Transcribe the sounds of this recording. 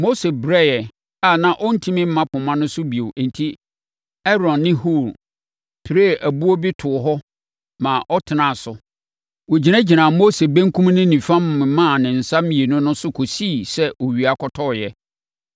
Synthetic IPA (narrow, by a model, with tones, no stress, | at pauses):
mo˦se˨bɾɛ˦jɛ˨ | a˦˨nã˦ʔɔ˦n̩˦tʰĩ˦mɪ̃˦m̩˦mã˦pʰʊ̃˨mã˦nʊ̃˦sʊ˦bi˨o˨ʔn˨tʰi˦ | ɛ˦ɾɔ̃˨nːɪ̃˦hu˦˨ɾ | pʰi˨ɾe˦˨ʔæ˨bu˦o˦bi˦tʰʊ˨ɦɔ˦ | mã˨ʔɔ˦tʰɪ˨nã˦˨sʊ˨ | wɔ˨d͡ʑi˨næ̃˦d͡ʑi˨nã˨mo˦se˨bæ̃˦ŋ˦kʰũ˦m˦nɪ̃˦nĩ˨fã˦m˦mɪ̃˨mã˦˨nɪ̃˨n̩˨sa˦mĩ˨e˨nʊ̃˦nʊ̃˦sʊ˦kʰo˨si˦˨sɛ˦ʔo˨ɥi˨a˨kʰɔ˨tʰɔ˦˨jɛ˦